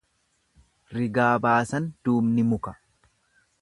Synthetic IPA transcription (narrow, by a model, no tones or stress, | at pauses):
ɾɪɡaːbaːsɐnd̪̥uːbnɪmʊkɐ